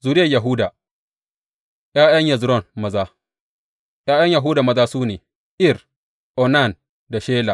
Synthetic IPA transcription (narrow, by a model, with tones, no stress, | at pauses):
zu˨djɐ˨jɐ˨ɦuː˦da˨ | ʔjaː˦jɐ˦ɲjɐ˨zɾɔ˦˨nmɐ˨zaː˦ | jaː˦jɐ˦ɲja˨ɦuː˦da˨mɐ˦zaː˦suː˦neː˨ | ʔɪ˦r | ʔɔ˨na˦˨n | da˨ʃeː˦la˨